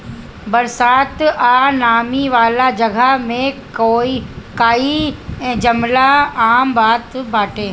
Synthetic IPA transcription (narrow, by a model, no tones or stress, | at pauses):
bɐɾsaːt̪aːnaːmiʋaːlad͡ʒɐɡʱamẽ | oikaːiɛ̃ːd͡ʒɐmlaaːmbaːt̪baːʈʰeː